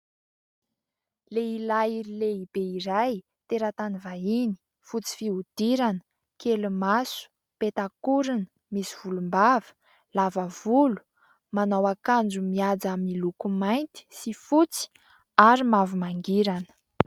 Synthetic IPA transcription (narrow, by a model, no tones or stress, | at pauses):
leilaiɾileib̥eiɾaj | t̪eɾat̪anivaini | fut͡si̥fiud̪̥iɾanə̥ | kelumasu̥ | pet̪akuɾinə̥ | misiv̥ulumbavə̥ | lavav̥ulu̥ | manawakand͡ʒumiad͡zamilukumajnt̪i̥sifut͡si̥ | aɾimavumaŋɡiɾanə̥